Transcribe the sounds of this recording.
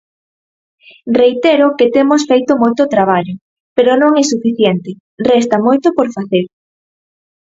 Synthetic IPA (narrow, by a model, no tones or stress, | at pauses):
rejt̪eɾʊket̪emosfejt̪ʊmojt̪ot̪ɾaβ̞aʎo | peɾonõŋɛsufiθjɛnt̪ɪ | rɛst̪ɐmojt̪opoɾfaθeɾ